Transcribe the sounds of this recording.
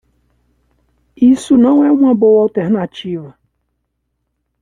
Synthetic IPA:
isunãŋʷɛŋʷabowaltɛɾnat͡ʃiva

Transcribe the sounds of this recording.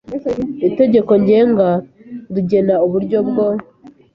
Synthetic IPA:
ite̞ɟe̞ko̞ɲɟe̞ːŋɡa | ɾuɟe̞nauβuɾɟo̞bɡo

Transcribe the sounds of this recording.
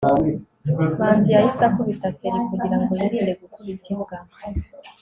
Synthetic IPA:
maːnzijajisakuβitakiɾikuɡiɾaŋɡojaɾiːndeɡukuβitʰiβɡama

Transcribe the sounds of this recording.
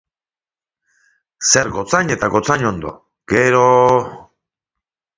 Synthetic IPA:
se̞ɾɣo̞t͡saɲe̞t̪aɣo̞t͡saɲo̞nd̪o̞̰ | ɡ̥e̞ɾo

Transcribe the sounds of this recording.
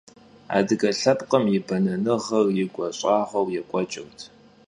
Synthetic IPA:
a̰ːdɨɡɐɬɐpʼqʼɐmjɪbɐnɐnɨʁɐrjɪɡʷɔɕʼɑːʁɐwjɛkʷʼɔt͡ʃʼɐwtʰ

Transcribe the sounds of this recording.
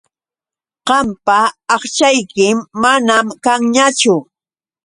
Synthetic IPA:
ɢɑmpaːχt͡ʃajkɪmːanamkaŋɲat͡ʃʊ

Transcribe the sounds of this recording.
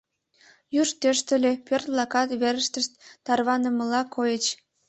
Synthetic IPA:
juʃt̪øʃt̪əlʲepørt̪̚blɑkɑt̪βeɾəʃt̪əʃt̪ːɑrβɑnəməlɑkʰojət͡ɕ

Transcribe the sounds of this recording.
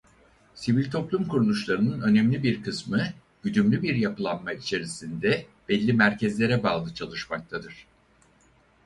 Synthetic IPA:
sivilʲt̪ʰo̞plˠumkuɾulˠuʃlˠaɾɯnɯnø̞nɛmlʲibiɾkʰɯsmɯ | byd̪ymlʲybiɾjapɯlˠanmait͡ʃʰe̞ɾisind̪ɛb̥ɛlʲːimæɾcɛzlʲe̞ɾɛbaːlˠɯt͡ʃʰalˠɯʃmak̚t̪ʰad̪ɯɾ̥

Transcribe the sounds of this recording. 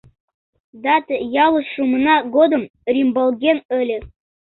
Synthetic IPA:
d̪ɑt̪jɑlˠɤ̆sʃumɤ̆nɑɡod̪ɤ̆mrʲimbɤlˠɡʲenɘ̆lʲɘ̆

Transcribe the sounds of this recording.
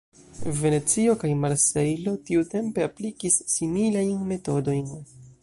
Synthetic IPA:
ve̞ne̞t͡sio̞kajmaɾse̞jlo̞tiute̞mpe̞aplikisːimilajnme̞to̞do̞jn

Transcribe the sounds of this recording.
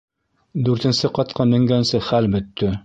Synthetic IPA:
d̪ʉɾt̪ɘ̆nsɘqɑt̪̚qɤmɘ̆ŋɡænsɘχælbɵ̆t̪ːɵ

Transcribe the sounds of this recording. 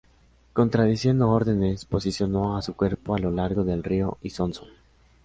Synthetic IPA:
ko̞nt̪ɾað̞isje̞nd̪ooɾðe̞ne̞spo̞sisjo̞no̞asukwe̞ɾpo̞alo̞laɾɣo̞ðe̞lrio̞ʔisonson

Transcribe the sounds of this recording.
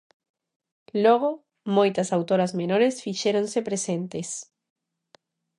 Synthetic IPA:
loɣ̞o | mojt̪asawt̪oɾazmenoɾesfiʃeɾonsepɾesẽnt̪es

